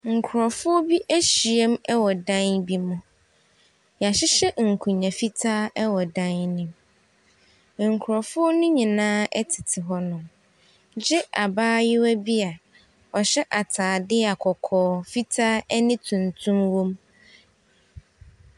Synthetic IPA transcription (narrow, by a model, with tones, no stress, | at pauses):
ŋ̩˨kʰʊ˨ɾɔ˨fʊ˦ɔ˦bi˦ʔæ˦ɕi˨e˦mɛ˦wɔ˨dã˦nbi˦mʊ̃˦ | ɲ˨a˨ɕɪ˦ɕɛ˦ŋ̩˨kʰũ˨ɲã˨fi˦tʰaː˦ɛ˦wɔ˨dã˦nnɪ̃˨m | ŋ̩˨kʰʊ˨ɾɔ˨fʊ˦ɔ˦nʊ̃˦ɲĩ˨nãː˦ɛ˦tʰɪ˨tʰɪ˨ɦɔ˦nʊ̃˨m | d͡ʑɪ˦ʔa˨baː˦jɪ˦wæ˦bi˦a˨ | ɔ˨ɕɛ˦ʔa˨tʰaː˨dɪ˦a˨kʰɔ˨kʰɔː˨fi˦tʰaː˦ɛ˦nɪ̃˦tʰũ˨n˨tʰũ˦mwõ˦m